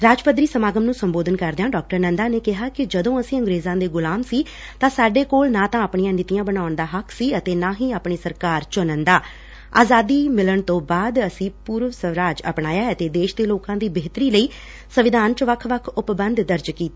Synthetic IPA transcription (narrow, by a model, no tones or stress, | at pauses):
ɾaːd͡ʒpəd̪ɾiːsəmaːɡəmnũːsəmboːd̪ənkəɾd̪ejaːɖɔːk̚ʈəɾnənd̪aːneːkɪɦaːkɪd͡ʒəd̪õːəsĩːə̃ŋɡɾeːzãːd̪eːɡʊlaːmsiː | t̪ãːsaːɖeːkoːlnãːt̪ãːəpɳijãːnɪt̪ijãːbənaːʊɳd̪aːɦəkʰsiːət̪eːnãːɦĩːaːpɳiːsəɾkaːɾt͡ʃʊnənd̪aː | aːzaːd̪iːmɪləɳt̪õːbaːd̪əsĩːpuːɾʋsəʋɾaːd͡ʒə̰pnaːjaːət̪eːd̪eːʃd̪eːloːkãːd̪iːbeːt̪əɾiːləiː | səʋɪd̪ʱaːnt͡ʃʋəkʰʋəkʰʊpbənd̪d̪əɾd͡ʒkiːt̪ː